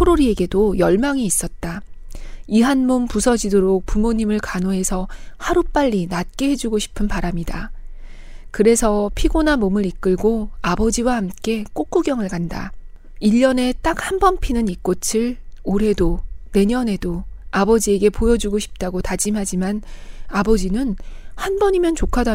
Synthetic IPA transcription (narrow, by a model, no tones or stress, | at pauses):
pʰoɾoɾie̞ɡe̞dojʌɭmaŋiːs͈ʌt̚t͈a | iɦanmompusʰʌd͡ʑidoɾok̚pumoɲimɯɭkanoɦe̞sʰʌhaɾup͈aʎːinat̚k͈e̞ɦe̞d͡ʑuɡoɕʰi̥pʰɯnpaɾamɲida | kɯɾe̞sʰʌpʰiɡonamomɯɾik͈ɯɭɡoabʌd͡ʑiwahamk͈e̞k͈ok͈uɡjʌŋɯɭkanda̰ | iʎːʌne̞t͈ak̚hanbʌnpʰinɯnik̚k͈ot͡ɕʰiɭoɾɦe̞done̞ɲʌne̞doabʌd͡ʑie̞ɡe̞pojʌd͡ʑuɡoɕʰi̥p̚t͈aɡotad͡ʑimɦad͡ʑimanabʌd͡ʑinɯnhanbʌɲimjʌnt͡ɕokʰada